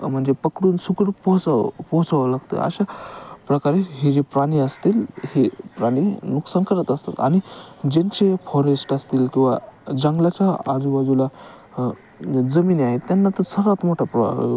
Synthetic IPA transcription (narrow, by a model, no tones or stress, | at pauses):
m̤əɳd͡zepəkɽuːnsukəɽpɔt͡sapɔɦt͡saʋəlaɡt̪ə̰a̰ɕapɾəkaɾeɦed͡ʑepɾaɽ̃iəst̪iːlhepɾaɽ̃inuksəŋkəɾət̪əst̪a̰t̪añid͡ʑeɲt͡ɕefɔɾesʈast̪iːlkĩw̃ʋad͡ʑəŋɡlat͡ɕaaɾiʋad͡zula | d͡zəmiːnaɦet̪janːat̪əɾsəɾat̪m̤oʈʰapɾəa̰